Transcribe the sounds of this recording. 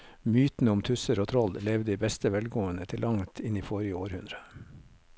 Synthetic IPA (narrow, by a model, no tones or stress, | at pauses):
myːt̪n̩əʊmt̪ʰʉsəɾoːt̪ʰɾɔllɛʋd̪iːbɛst̪əʋɛlɡoːənət̪ʰɪlʔɑŋt̪ʰɪniːfɔɾɪəoːɾhʉnd̪ɾə